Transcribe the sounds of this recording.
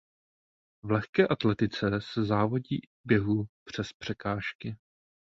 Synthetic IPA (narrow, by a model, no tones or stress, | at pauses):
vlɛxkɛːʔat̪lɛt̪ɪt͡sɛsɛzaːvo̞ɟḭː | bjɛɦupr̝̥ɛspr̝̥ɛkaːʃkɪ